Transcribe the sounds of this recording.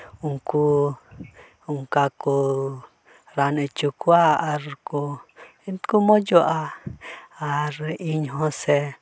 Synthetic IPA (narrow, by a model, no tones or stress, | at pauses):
uŋku | uŋkaku | ɾanẽt͡ʃukwaaɾku | nt̪kumõjoʔa | aɾiɲɦõse